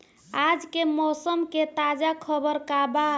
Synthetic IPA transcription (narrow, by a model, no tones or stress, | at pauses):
ad͡ʒkemɔsəmket̪ad͡ʒakʰəbəɾkaba